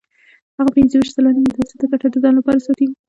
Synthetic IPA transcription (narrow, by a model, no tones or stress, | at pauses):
haɣapɪnzəwiʃ̚kalanimət̪asɪd̪əkaʈad̪əzɑnlapɑɾasɑt̪i